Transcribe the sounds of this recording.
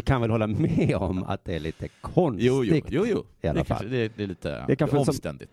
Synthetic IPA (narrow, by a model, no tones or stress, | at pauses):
kʰanvɛlhɔlːamɛɔ̰ma̰t̪̚d̪ɛæɭiːt̪ʰəkʰɔnjusj̪ɪkjuːjuːɪa̰lɛa̰kʰaa̰d̪ɛd̪ɛliːt̪ə̰ɛkaɧɔsɔst̪ɛ̰nd̪ɪ